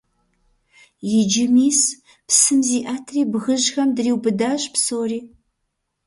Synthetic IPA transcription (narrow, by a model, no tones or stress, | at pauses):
jɪd͡ʒɪmiːs | psɨmziːʔaːtʰriːbɣɨʒxɐmdriːwbɨdaːɕʼpsoːriː